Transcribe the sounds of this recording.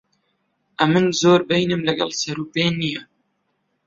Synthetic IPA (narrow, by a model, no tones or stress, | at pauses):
ʔɐmɨnzoːɾbɛjnɨmlɐɡɛ̰lsɐɾuːpeːnijɛ